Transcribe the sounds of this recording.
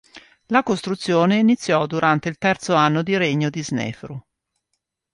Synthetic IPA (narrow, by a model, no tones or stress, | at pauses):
lakost̪ɾut̪sːjoːneinit̪sːjɔd̪uɾʔant̪eilt̪ɛrt̪soanːod̪iɾeɲːod̪iznɛ̰ːfɾu